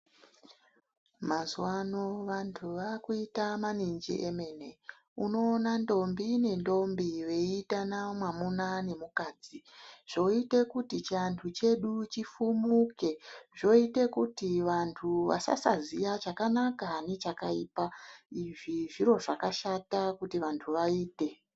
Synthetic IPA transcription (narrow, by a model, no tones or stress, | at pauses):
mazuwano̞ʋantʰuʋakuitamanind͡ʒḭʔeme̞ne̞ | uno̞ːnando̞mbine̞ndo̞mbiwe̞iitanamwamunane̞mukaːd͡ziʐ̥o̞ite̞kutit͡ʃantʰut͡ʃe̞ɗut͡ʃifumuke̞ʐo̞ite̞kutiʋantʰuʋa̰sa̰sa̰zijat͡ʃakanakanet͡ʃakaipaiʐiʐiɾo̞ʐakaʃatakutiʋantʰuʋaiːte̞